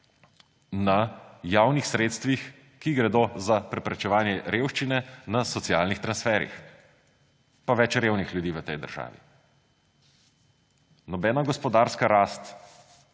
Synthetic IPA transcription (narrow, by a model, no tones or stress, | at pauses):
najaːwnixsɾeːt̪st̪ʋix | kiɡɾɛd̪oːzapɾɛpɾɛt͡ʃɛʋaːnjɛɾewʃt͡ʃinɛnasɔt̪siaːlnixt̪ɾansfɛːɾḭx | paʋɛt͡ʃɾewnixljud̪iːʋət̪ɛjd̪ə̰ɾʒa̰ːʋḭ | nɔbɛːnaɡɔspɔd̪aːɾskaɾaːst̪